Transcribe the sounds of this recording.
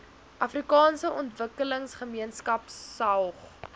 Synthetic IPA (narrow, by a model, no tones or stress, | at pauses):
ʔɐfrikɑːnsəʔɔntvəkələŋsχəmiənskɐpsɐwχ